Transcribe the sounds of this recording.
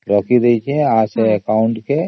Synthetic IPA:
ɾɔːkiɾɐɦit͡ʃʰiɛ̃aːseekaːʊɳʈke

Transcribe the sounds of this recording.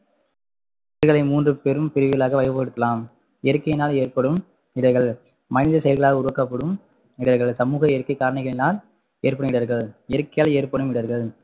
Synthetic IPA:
ɪɾɣɐɭɐɪmuːndrɯpeɾɯmpɪɾɯʋɪɣɐɭaːɣɐʋɐɪjʋɯpːɐɽɯt̪ːɐlaːm | ɛɾɯkːɐjɪnaːleːrpɐɽɯm | ɪɽɐɣɐɭ | mɐnɪðɐsɛjɐlɾɣɐɭaːɣɐʊɾɯʋɐkːɐpːɐɽɯm | ɪɽɐɾɣɐɭsɐmuːɣɐɛɾɯkːɐɪkːaːɾɐɳɪɣɐɭɪnaːl | eːɾpɐɳɪʋɪɽɐɾɣɐɭɛɾɯkːɐjaːleːɾpɐɽɯmɪɽɐɾɣɐɭ

